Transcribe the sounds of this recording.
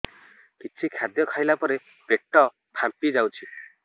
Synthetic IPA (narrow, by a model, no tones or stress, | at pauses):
kit͡ʃʰikʰjad̪jɔkʰajlapɔɾe | peʈːɔ | pʰampid͡ʒawt͡ʃʰi